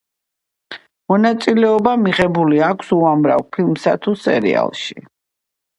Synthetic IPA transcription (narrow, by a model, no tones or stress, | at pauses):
mɔnat̪sʼilɛɔbamiʁɛbuliakʷʰsuamɾa̰vpʰilmsat̪ʰusɛ̰ɾḭa̰lˠʃḭ